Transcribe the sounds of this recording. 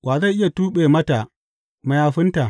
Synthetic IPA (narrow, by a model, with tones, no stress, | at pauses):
waː˨za˦˨jʔɪ˦ja˨tuː˦ɓeː˨mɐ˦ta˨ | ma˨jaː˦ɸɪ˦nta˨